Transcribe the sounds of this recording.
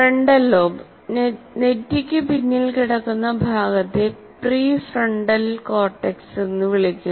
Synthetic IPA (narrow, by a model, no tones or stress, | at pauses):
freɳɖɐlːoːb | ne̞tːikʲːɨpinːilkiɽɐkːunːɐbʱaːɡɐt̪ːe̞ | priːfrɐɳɖɐlko̞ːrʈːeksenːuʋiɭikʲːu